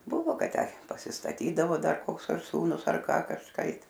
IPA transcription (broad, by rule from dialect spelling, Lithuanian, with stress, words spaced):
ˈbʊʋoː ˈkɐt ˈtʲæː pɐsʲɪstɐˈtʲiːdɐʋoː ˈdɐr ˈkoːks ɐr ˈsuːnʊs ɐr ˈkɑː kɐʃˈkɐɪp